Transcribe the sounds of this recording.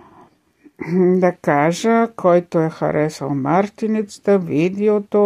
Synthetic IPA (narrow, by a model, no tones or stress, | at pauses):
d̪akaːʒekʰojt̪ojexa̰ɾʔesa̰lmaɾt̪init̪sd̪aʋid̪iot̪o